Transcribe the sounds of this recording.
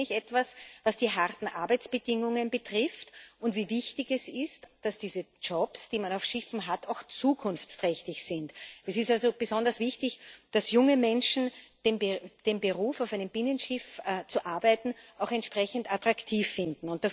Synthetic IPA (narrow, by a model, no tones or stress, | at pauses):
ŋlɪçɛtv̥asvasd̥iːɦaʁtn̩ʔa̰ɐbæɪt͡sb̥ədɪŋʊŋənbətʁ̥ɪftʊntviːvɪçtɪçɛsɪstːd̥asd̥iːzət͡ʃɔpsd̥iːmanaʊfʃɪfn̩ɦataʊxt͡suːkʰʊnft͡stʁɛçtɪçsɪntɛsɪstalzob̥əzɔndɐsv̥ɪçtɪçd̥asjʊŋəmɛnʃn̩d̥eːmd̥embəʁuːfaʊfæɪnəmbɪnənʃɪft͡suʔaɐbæɪtn̩ʔaʊxɛntʃpʁɛçən̩tatʁ̥aktʰiːfːɪndn̩ʊnt̚da